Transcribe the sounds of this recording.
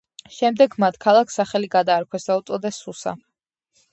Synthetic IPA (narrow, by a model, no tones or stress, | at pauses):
ʃɛmd̪ɛɡmat̪ʰkʰalˠaksaχɛliɡad̪aːɾkʰwɛsd̪aut̪sʼɔd̪ɛsːusa̰